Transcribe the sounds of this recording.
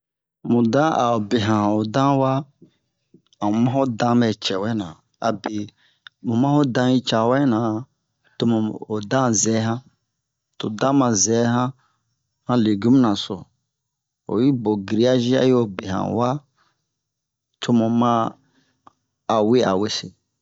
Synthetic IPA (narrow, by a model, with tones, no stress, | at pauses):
mũ˨dã˦ʔa˨o˨be˨ɦã˨ã˨o˨dã˦wa˦ | a˨mũ˨mã˦ho˦dã˦mɛ˨t͡ʃɛ˨wɛ˦nã˨ | a̰˨be˨ | mũ˨mã˦ho˦dã˧ji˦t͡ʃa˨wɛ˦nã˨ | to˧mũ˨o˨dã˦zɛ˨˦ɦã˦ | to̰˨dã˦mã˧˨zɛ˨˦ɦã˦ | hã˦le˨ɡu˦m˦nã˨so̰˨ | o̰˨ji˦bo˨ɡi˨ɾi˨˦a˦ʒi˦a̰˦jo˨be˨ɦã̰˨wa˦ | tʰo˦mũ˨mã˦˨ | we˦a˨we˦se˨